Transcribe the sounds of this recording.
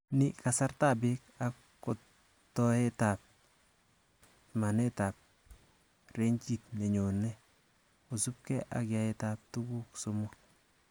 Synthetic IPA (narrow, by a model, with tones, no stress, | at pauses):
ni˦ka˨sa˦rta˦˨be˦k̚akːo˨ | tɔ˦e˦tap̚ | ma˨ne˦ta˨p̚ | re˦ɲt͡ʃi˨t̚ne˨ɲo˨ne˦ | u˨sup̚kɛ˦ʔa̰˨kja˨etap̚tu˦ɡu˦ksomʊk̚